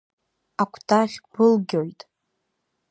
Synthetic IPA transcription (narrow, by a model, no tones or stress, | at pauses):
akʷʰtʰaʁʲb̥ɨlɡʲojtʼ